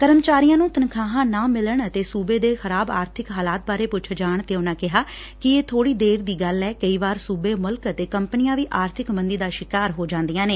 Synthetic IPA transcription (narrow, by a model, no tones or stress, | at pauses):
kəɾəmt͡ʃaːɾijãːnũːt̪ənkʰaːɦãːnãːmɪləɳət̪eːsuːbeːd̪eːxəɾaːba̰ːɾt̪ʰɪkɦaːlaːt̪̚baːɾeːpʊt͡ʃʰd͡ʒaːɳt̪eːʊnãːkɪɦaː | kɪeːt̪ʰoːɽiːd̪eːɾd̪iːɡəlɛːkəiːʋaːɾsuːbeːmʊlkət̪eːkəmpnɪjãːʋiːʔaːɾt̪ʰɪkmənd̪iːd̪aːʃɪkaːɾɦoːd͡ʒãːnd̪ijãːneː